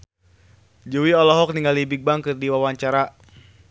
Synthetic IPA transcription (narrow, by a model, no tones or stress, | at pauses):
d͡ʒuwiɔlɔɦɔk̚niŋɡalibik̚baŋkɨrdiwawaɲt͡ʃaɾa